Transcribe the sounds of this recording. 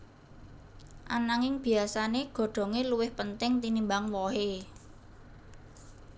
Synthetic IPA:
ʔa̰naŋɪŋb̥i̤asaneɡ̥o̤ɖ̪̥ɔ̤ŋeluwɪhpənt̪ɪŋt̪inimbaŋwɔɦe

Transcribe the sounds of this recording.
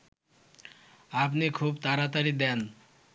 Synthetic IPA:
apnekʰuːbt̪aɾat̪əɾid̪an

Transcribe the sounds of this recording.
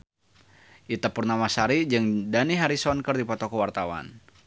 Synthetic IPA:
ʔit̪apurnamasaɾid͡ʒɨŋdaniɦaɾisɔnkərdipat̪ɔkɔwart̪awa̰n

